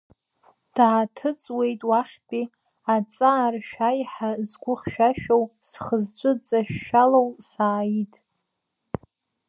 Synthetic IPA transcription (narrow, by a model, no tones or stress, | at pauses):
d̥aːtʰɨt͡sʼwe̞jtʼwaχʲt͡pʼi | at͡sʼaːrʃᶣajħazɡʷʊχʲʃᶣaʃᶣowsχəzt͡ʃʷʼɨt͡sʼaʃᶣːalowsaːjitʼ